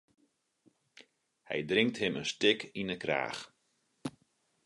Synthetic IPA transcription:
hɛ̰jdrɪŋk̚thɪmənstɪkinəkra̰ːx

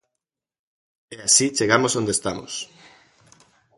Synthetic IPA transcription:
easit͡ʃeɣamosond̪est̪amo̰s

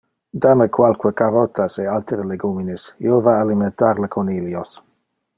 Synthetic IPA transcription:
d̪aməkʰwalkwəkaɾɔt̪ʰasealt̪eɾəleɡuminisḭovaːliment̪aɾləkʰoniljos

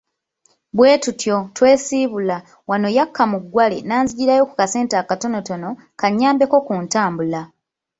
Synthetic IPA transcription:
βwe̞ːtutjo̞twe̞ːsiːβula | wano̞jakʰːamuɡːwalenaːnziɟiɾajo̞kukase̞ːntakato̞no̞tono̞ | kaɲːaːmbe̞ko̞kuntaːmbula

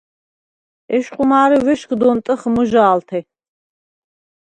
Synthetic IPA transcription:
ɛʃqʼumaːɾivɛʃkʰʼd̪ɔnt̪ʼəχmuʒaːlt̪ʰɛ

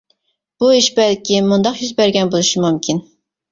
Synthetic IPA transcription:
b̥uiʃbɛlkʲʰimund̪ɑqjyzbæɾɡʲɛnbolˠuʃimumkʲʰin

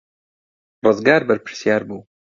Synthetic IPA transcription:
rɨzɡaːɾbɐɾpʰɪɾsjaːɾbuː

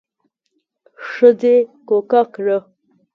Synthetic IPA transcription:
ʂəzekokakɻə

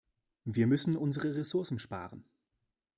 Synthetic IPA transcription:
viːɐmʏsn̩ʔʊnzəʁəʁesʊɐsn̩ʃpa̰ːʁən

